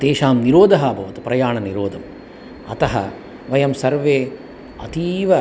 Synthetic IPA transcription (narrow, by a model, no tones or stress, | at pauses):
t̪eːʃaːmniɾoːd̪ʱɐɦɐːbʱɐʋɐt̪upɾɐjaːɳɐniɾoːd̪ʱɐm | ɐ̰t̪ɐɦɐ̰ | ʋɐjɐmsɐɾʋeː | ɐ̰t̪iːʋɐ